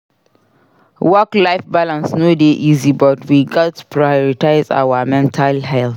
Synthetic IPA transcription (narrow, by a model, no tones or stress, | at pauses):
wɔklaɪfbalãnsnodeʔizibɔtwiɡatu̥pʰɹajɔɹitaɪza̰wamɛ̃ntʰalɦɛlt